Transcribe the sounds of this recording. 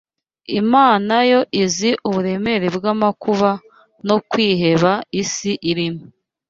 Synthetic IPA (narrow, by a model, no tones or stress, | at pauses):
imaːnajo̞ʔiziʔuβuɾe̞me̞ɾebɡamakuβa | no̞kwiːɦe̞βaisiʔiɾimo